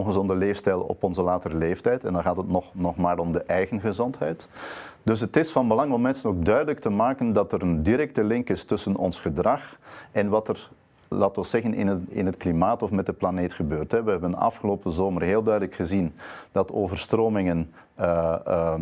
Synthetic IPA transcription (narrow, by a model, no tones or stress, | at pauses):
lɣəzɔndəleːfstɛjlˠɔ̰pɔnzəlaːtəɾəleːftɛjtɛndɑnɣaːtətnɔχnɔχmaːɾɔmdəʔɛjɣənɣəzɔntɦɛjtd̥ɵsɦətɪsfɑnbəlɑŋɔmːɛnsənoːɡ̚dœɥdələk̚təmaːkəndɑtəɾəndiɾɛk̚təlɪŋkɪstɵsənɔ̰nsχədrɑχɛnʋɑtər | laːtɑsɛɣənɪ̰nəɪ̰nətklimaːtɔfmɛt̚dəplaneːtχəbøːrtɦɛʋəɦɛbənɑ̰fxəloːpəzoːmərɦeːlˠdœɥdələkxəzindɑtoːvərstroːmɪŋən | ə